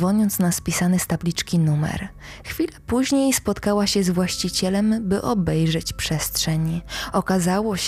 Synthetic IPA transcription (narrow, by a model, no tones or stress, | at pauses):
vɔɲɔnt̪snaspʲisanɘst̪ablʲit͡ʂkʲinumɛ̰ɾ | xfʲilapuʑɲejspɔt̪kawaɕɛzvwaɕt͡ɕit͡ɕɛlɛmbɘʔɔbɛjʐɛt͡ɕpʂɛst̪ʂɛɲiɔkazawɔ